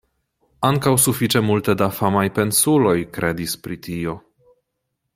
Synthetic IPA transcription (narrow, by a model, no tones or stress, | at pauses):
aŋkawsufit͡ʃemult̪ed̪afamajpe̞nsulo̞jkɾed̪ispɾit̪io̞